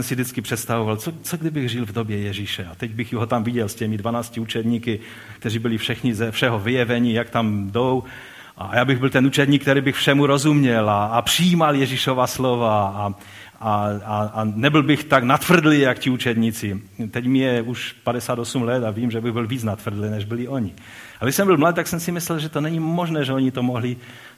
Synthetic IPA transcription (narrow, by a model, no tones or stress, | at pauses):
ɛnsɪvdɪtt͡skɪpr̥ɛt̪st̪avovalt͡sot͡soɡdɪbɪɣʒɪlvdobjɛjɛʒiʃɛat̪ɛɟbɪxɦot̪amvɪɟɛlscɛmɪdvanaːscɪut͡ʃɛd̪ɲiːkɪ | k̚t̪ɛriːbɪlɪfʃɛxɲɪzɛfʃɛɦovɪjɛvɛɲijakt̪amdow | ʔajaːbɪɣbɪlt̪ɛnut͡ʃɛd̪ɲiːkt̪ɛɾiːbɪxfʃɛmuɾozumɲɛlaːpr̥ijiːmaljɛʒiʃovaslovaa | aaanɛbɪlbɪxt̪aɡnat̪vr̩d̪lɪjakciut͡ʃɛd̪ɲit͡sɪt̪ɛɟmɪjɛuʃpadɛsaːd̪osumlɛt̪aviːmʒɛbɪɣbɪlviːt͡snat̪vr̩d̪lɪnɛʒbɪlɪʔoɲɪ | aɡdɪʃsɛmbɪlmlad̪̚t̪aksɛmsɪmɪslɛlʒɛt̪onɛɲimoʒnɛːʒɛoɲit̪omoɦlɪ